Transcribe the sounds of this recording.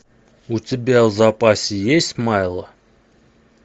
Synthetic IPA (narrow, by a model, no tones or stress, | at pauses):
utʲɪbʲavzapʼasʲɪjesʲtʲmajlˠə